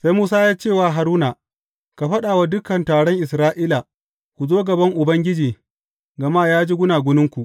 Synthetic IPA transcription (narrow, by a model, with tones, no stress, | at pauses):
sa˦jmuː˦saː˦jaː˦t͡ʃeː˦˨waː˨ɦa˨ɾuː˦na˨ | ka˨ɸɐ˦ɗaː˨wa˦dʊ˦kɐ˨ntaː˨ɽɔ˦ŋʔɪ˨sɾaː˦ʔi˦la˨ | kʷu˨zoː˦ɡɐ˨bɐ˦ŋʔʊ˨bɐ˦ŋɡʲɪ˦d͡ʒiː˨ | ɡɐ˨ma˦jaː˦d͡ʒi˦ɡʷʊ˦naː˨ɡʷʊ˦nɪ˦ŋkʷu˨ʔ